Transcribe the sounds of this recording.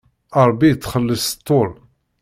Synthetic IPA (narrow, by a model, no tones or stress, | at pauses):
ɑɾˤbːit͡sːχəlːəst̪ˤːoɾˤ